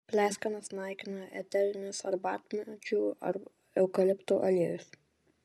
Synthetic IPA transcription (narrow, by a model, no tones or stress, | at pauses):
pʲlʲæːsʲkɐnɐsnɑˑɪkʲɪnɐʔɛ̰t̪ʲɛɾʲɪnʲʊsɐɾbɑ̰ːt̪ʲmʲɛt͡ʃʲuːɐ̰ɾ | ɛʊkɐlʲɪpt̪uːʔɐlʲiɛjʲʊs